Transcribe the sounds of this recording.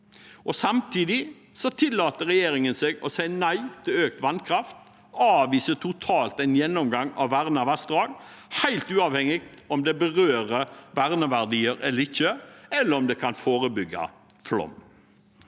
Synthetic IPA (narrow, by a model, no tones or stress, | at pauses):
ʔɔsɑmt̪ʰiːd̪ɪ | sɔt̪ʰɪlːɑːt̪əɾɛjeːɾɪŋənseːɡɔsæɪnæɪt̪ʰɪløːk̚t̪ʋɑnkʰɾɑft̪̚ | ɑːʋiːsət̪ʰʊt̪ʰɑːlt̪æɪnjɛnːɔmɡɑŋɑ̰ʋʋæʁnɑʋæsd̪ʁɑːɡ | hæɪlt̪ʉːɑːʋhɛŋɪɡ̚t̪ɔmd̪ɛbəʁøːʁəʋæʁnəʋæʁd̪iːəɾɛlːəɾɪçːəɛlːəɾɔmd̪ɛkʰɑnfoːɾəbʏɡːɑ̰ | flɔ̰m